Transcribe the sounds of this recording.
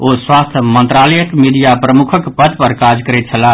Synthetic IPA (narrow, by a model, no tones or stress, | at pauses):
oswast̪ʰmənt̪ɾaləjəkmid̪ijapɾəmukʰəkpət̪pəɾkad͡ʒkəɾɛt̪̚t͡ʃʰəla